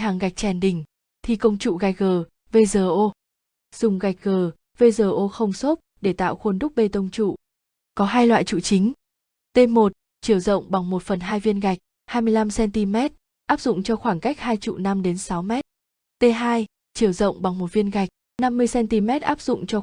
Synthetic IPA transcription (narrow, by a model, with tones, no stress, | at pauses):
ɦaː˨˩ŋɣa˨˩jk̟̚t͡ɕɛ˨˩nɗï˨˩ŋ̟ | t̪ʰi˨˩kə˧wŋ͡mt͡ɕṵ˧˨ɣa˨˩jk̚ɣəː˨˩ | ve˧zəː˨˩ʔo˧ | z̥ʊ˨˩ŋ͡mɣa˨˩jk̚ɣəː˨˩ | ve˧zəː˨˩ʔo˧xə˧wŋ͡mso˦˥t̚ɗe˧˩t̪a̰ː˧˨wxo˧nɗʊ˦˥k͡p̚ɓe˧t̪ə˧wŋ͡mt͡ɕṵ˧˨ | kɔ˨˦ɦaː˧jlwa̰ː˧˨jt͡ɕṵ˧˨t͡ɕi˨˦ŋ̟ | t̪e˧mo˨˩t̚ | t͡ɕi˧˩əwzə̰˧˨wŋ͡mɓa˨˩ŋmo˨˩t̚fə˨˩nɦaː˧jvi˧ənɣa˨˩jk̟̚ | haː˧jmɨ˧əjla˧msɛ˧nt̪i˧mɛ˦˥t̚ | ʔaː˦˥p̚zʊ̰˧˨ŋ͡mt͡ɕɔ˧xwaː˧˩ŋka˦˥jk̚ɦaː˧jt͡ɕṵ˧˨na˧mɗe˨˦nsa˨˦wmɛ˦˥t̚ | t̪e˧ɦaː˧j | t͡ɕɨ˧˩əwzə̰˧˨wŋ͡mɓa˨˩ŋmo˨˩t̚vi˧ənɣa˨˩jk̟̚ | na˧mːɨ˧əjsɛ˧nt̪i˧mɛ˦˥t̚ʔaː˦˥p̚zʊ̰˧˨ŋ͡mt͡ɕɔ˧